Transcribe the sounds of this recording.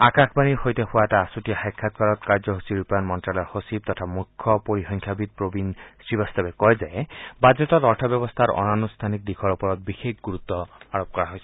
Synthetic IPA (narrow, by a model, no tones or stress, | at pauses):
akakʰbaniɾhojt̪ehoaeʈaːsutiahajkʰːat̪̚kaɾɔt̪kaɾd͡ʒɔɦusʰiɾupɔjɔnmɔnʈɾalɔɾhosib̚t̪ɔt̪ʰamukʰːɔpoɾixɔŋkʰjabid̪̚pɾobinsɹibast̪abekɔjd͡ʒaebad͡ʒɔt̪ɔt̪ɔɾʈʰabjɔbɔst̪ʰaɾɔ̰nanust̪ʰanik̚d̪ikʰɔɾɔpɔɾɔt̪̚bixekʰɡuɾut̪ːɔaɹop̚kɔɾaɦojsʰɔ̥